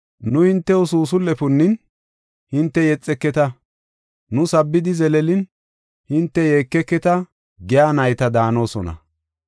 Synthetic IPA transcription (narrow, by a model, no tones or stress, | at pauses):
nʊhɪnt̪ːɛʊsuːsʊlːɛpʊnːɪn | hɪnt̪ːɛjɛt͡sʼːɛkːɛt̪ɐ | nʊsɐbːɪd̪ɪzɛlɛlɪn | hɪnt̪ːɛjeːkːɛkːɛt̪ɐ | ɡɛjaːnɐjt̪ɐd̪aːno̞ːsɔnɐ̰